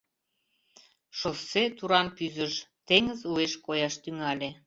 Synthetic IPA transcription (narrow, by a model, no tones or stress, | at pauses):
ʃosːet̪uɾɑnpyzəʃt̪eŋəzueʃkojɑʃt̪yŋɑlʲe